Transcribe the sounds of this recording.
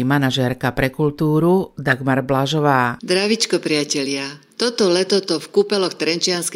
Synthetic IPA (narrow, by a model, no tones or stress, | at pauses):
manaʒɛɾkapɾɛkult̪uːɾud̪aɡmaɾblaʒɔʋaːd̪ɾaʋit͡ʃkɔpɾɪacɛlɪat̪ɔt̪ɔlɛt̪ɔt̪ɔfkupɛlɔxt̪ɾɛnt͡ʃɪansk